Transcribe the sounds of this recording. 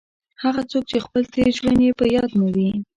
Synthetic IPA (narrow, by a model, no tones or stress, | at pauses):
haɣat͡sok̚t͡ʃexpəlt̪eʒwanjepəjɑd̪nəwi